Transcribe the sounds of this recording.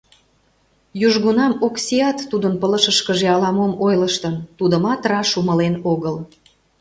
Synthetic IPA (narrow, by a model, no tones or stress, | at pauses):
juʒɣunɑmoksʲiɑt̪ːud̪ənpələʃəʃkəʒeɑlɑmomojləʃt̪ə̆nt̪ud̪ə̆mɑt̪rɑʃumə̆lenoɣəl